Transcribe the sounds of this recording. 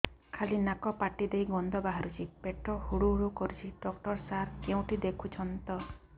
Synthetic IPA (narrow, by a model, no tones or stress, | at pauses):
kʰalinakɔpaʈid̪ejɡɔnd̪ɔbaɦaɾut͡ʃʰipeʈʰɔhuɽuɦuɽukɔɾut͡ʃʰiɖɔk̚ʈɔɾsaɾkew̃ʈid̪ekʰut͡ʃʰɔnt̪ɔ